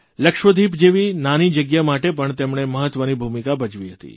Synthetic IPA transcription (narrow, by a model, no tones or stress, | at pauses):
ləkʃʋəd̪ʱipd͡ʒeʋinanid͡ʒəɡjamaʈepəɳt̪emɳeməɦət̪ʋənibʱumikabəd͡ʒʋiɦət̪ḭ